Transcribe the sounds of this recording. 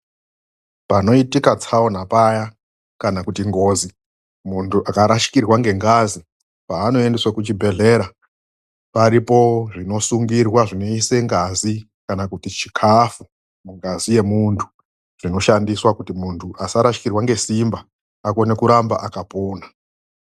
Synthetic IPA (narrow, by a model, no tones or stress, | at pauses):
pano̞itikat͡saonapaja | kanakutiŋɡo̞zi | muntʰuʔakaɾaʃi̥kirwaŋɡe̞ŋɡazi | paːno̞e̞ndeswakut͡ʃibʱe̞ɮe̞ːɾa | paɾipo̞ʐino̞suŋɡirwaʐino̞ise̞ŋɡazi | kanakutit͡ʃi̥kʰafu | muŋɡazije̞muntʰu̥ | ʐ̥ino̞ʃandiswakutimuntʰuʔasaɾaʃi̥kirwaŋɡe̞simba | ako̞nekuɾamba̰ʔakapoːna